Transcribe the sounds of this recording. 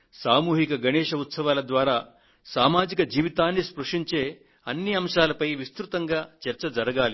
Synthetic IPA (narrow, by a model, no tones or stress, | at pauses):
saːmuːɦikɐɡɐnɛːʂɐut̪sɐʋaːlɐd̪ʋaːɾaː | saːmaːd͡ʒikɐd͡ʒiːʋit̪aːnːispɾɐʂiɲt͡ʃeː | ɐnːiɐmʂaːlɐpɐjʋist̪ɾut̪ɐŋɡaːt͡ʃɛɾt͡ʃɐd͡ʒɐɾɐɡaːli